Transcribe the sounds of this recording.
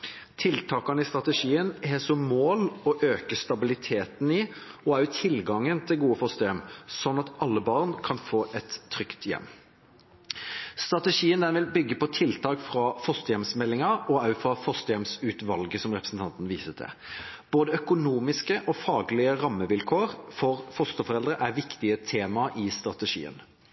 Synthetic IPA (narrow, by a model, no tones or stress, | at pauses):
t̪ʰɪlt̪ʰɑːkɑnəɪst̪ɾɑt̪əʂiːənhɛsɔmmoːlɔʔøːkəst̪ɑbɪlɪt̪ʰeːt̪n̩ɪɔæʉt̪ʰɪlɡɑŋːənt̪ʰɪlɡuːəfɔst̪əjɛmsɔnːɑt̪ɑlːəbɑːʁnkʰɑnfoːʔɛt̪ʰːɾʏkt̪jɛ̰mː | st̪ʁɑt̪əʂiːənd̪ɛnʋɪlbʏɡːəpɔt̪ʰɪlt̪ʰɑːkfʁɑfɔst̪əjɛmsmɛlːɪŋɑɔɑʉfɑfɔst̪əjɛmsʉːt̪ʋɑlɡəsɔmʁɛpʁəsn̩t̪ʰɑnt̪nʋiːsəd̪ɛ̰b̥oːd̪əœkʊnuːmɪskəʔɔfɑːɡlɪəɾɑmːəʋɪlkʰoːɾfɔɾfɔst̪əfɔɾɛld̪ɾəʔæɾʋɪkt̪ɪət̪ʰeːmɑʔɪst̪ɾɑt̪əʂḭːə̰n